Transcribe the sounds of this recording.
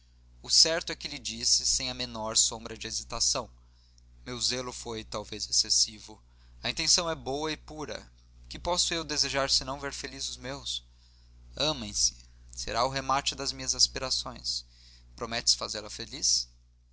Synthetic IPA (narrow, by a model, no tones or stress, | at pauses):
ʊsɛɾt̪ʊɛkɪlɪd͡ʒisɪsẽj̃ɐmenɔɾsõmbɾɐd͡ʒɪezit̪asɐ̃w̃ | mewzelʊfojt̪awvezesesivʊ | ɐĩnt̪ẽsɐ̃w̃ɛbowɐɪpuɾɐ̰ | kɪpɔsʊewd̪ezeʒaɾsɪnɐ̃w̃veɾfelizʊzmews | ɐ̃mẽj̃sɪ̥ | sḛɾaʊɦemat͡ʃɪd̪ɐzmĩɲɐzaspiɾasõj̃s | pɾomɛt͡ʃɪ̥sfazelɐfelis